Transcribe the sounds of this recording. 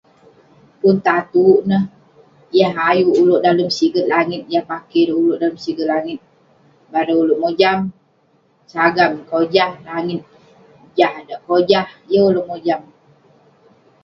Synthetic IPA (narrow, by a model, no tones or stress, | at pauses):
punt̪at̪uʔnəh | jaɦajuʔːlʊʔdaləmsiɡət̪̚laŋɪt̪̚jahpakedəuloʔdaləmsiɡət̪̚laŋɪt̪̚ | baɾəulʊʔmod͡ʒam | saɡamkod͡ʒahlaŋɪt̪̚ | d͡ʒahdaʔkod͡ʒahjəuloʔmod͡ʒam